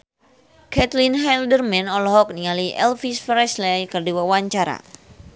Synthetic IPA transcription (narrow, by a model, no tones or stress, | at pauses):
kɛt̪linɦɛldərmɛnɔlɔɦɔk̚niŋaliʔɛ̰lfisfɾɛslɛjkərdiwawaɲt͡ʃaɾa̰